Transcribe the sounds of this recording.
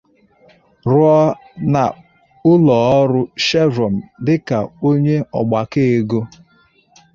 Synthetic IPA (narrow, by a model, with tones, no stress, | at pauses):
ɾʊ˦ɔ˦ | na̰˨ | ʊ˦lɔː˨ɔ˦ɾʊ˦ʃe˦ɾɔ˨m̩˨dɪ˦ka˨o˦ɲe˦ɔ̰˨ɡ͡ba˨ke˦e˨˦ɡo˦